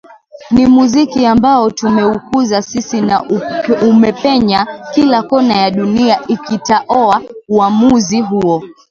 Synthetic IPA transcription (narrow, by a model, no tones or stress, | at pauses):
nimuzikiambaɔtumɛukuzasisinaumɛpɛɲakilakɔnajaɗuniaʔikitaʔɔauamuziɦuɔ